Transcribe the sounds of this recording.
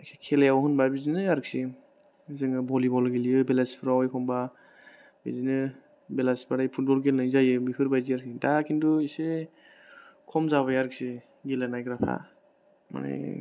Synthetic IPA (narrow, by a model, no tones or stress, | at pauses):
aksʰekʰelajawɦɯnbabizinɯjaɾɯk̚si | zɯŋɯbɔlibɔlɡilijɯbelasi̥pʰɯɾawajkʰɔmba | bḭzinɯ | belasi̥pʰaɾajpʰut̚bɔlɡelnɯjzajɯmipʰɯɾbajzijaɾksidakʰinduise | kʰɔmzaβajaɾɯk̚si | ɡilanajɡɾapʰa̰ | ma̰na̰j